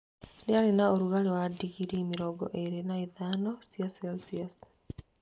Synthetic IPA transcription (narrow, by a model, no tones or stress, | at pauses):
neaɾenaoɾuɣaɾewadiɣiɾimiɾɔɡɔ̰ʔeɾenaiðanɔsiaselsias